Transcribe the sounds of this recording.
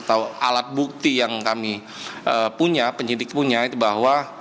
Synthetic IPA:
t̪awa̰lat̪̚buk̚t̪ijaŋkami | əpuɲapəɲidɪk̚puɲait̪ubaɦwa

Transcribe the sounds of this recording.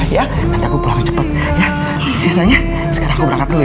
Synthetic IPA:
ja | kant̪akupulaŋt͡ʃəpət̪̚ | ja | biasaɲa | sə̥kaɾaŋkubəɾakat̪u

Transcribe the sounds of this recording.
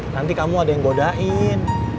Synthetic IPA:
nant̪ikamuadajaŋbodaʔɪn

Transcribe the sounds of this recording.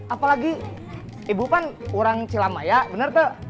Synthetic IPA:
apalaɡi | hibupanuɾaŋt͡ʃilamajabənərt̪ə

